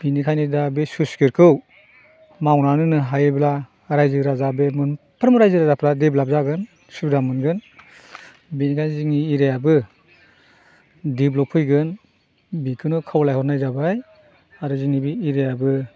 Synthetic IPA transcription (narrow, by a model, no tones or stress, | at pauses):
binikʰajnidabesuskiɾkʰɯw | mawnanɯnɯɦajɯbla | ɾajzɯɾazabemɯn | pʰɯɾmɾajzɯɾazapʰɾadiblab̚zaɡɯn | subdamɯnɡɯn | binikʰajnziŋniːɾejabɯ | diblɔpʰɯjɡɯn | bikʰɯnɔkʰawlajhɔtnajzabaj | aɾɔziŋnibiːɾejabɯ